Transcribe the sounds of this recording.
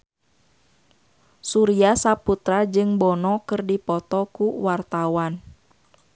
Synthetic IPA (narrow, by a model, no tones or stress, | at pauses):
suɾiasaput̪ɾad͡ʒɨŋbɔnɔkɨrdipɔt̪ɔkuwart̪awan